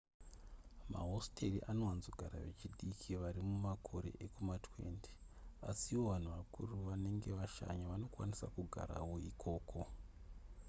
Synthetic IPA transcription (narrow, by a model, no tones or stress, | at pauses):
ma̰ɦostʰeriʔano̞wanzoɡʱaɾa̰ʋe̞̰t͡ʃiɗikʰiʋaɾimumakʰo̞ɾe̞̰ʔekumatwe̞̰nti̥ | asiwo̞ʋan̤uʋakʰuruʋane̞ŋɡe̞ʋaʃa̰ɲaʋano̞kwanisakuɡʱa̰ɾa̰wo̞ikʰo̞ːkʰo̞